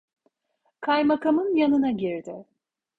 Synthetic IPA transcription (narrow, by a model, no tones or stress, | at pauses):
kʰajmakʰamɯnjanɯnaɟiɾd̪ɪ